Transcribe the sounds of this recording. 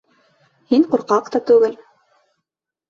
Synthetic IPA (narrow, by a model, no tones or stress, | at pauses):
hiŋquɾqɑqt̪ɑt̪ʉɡɘl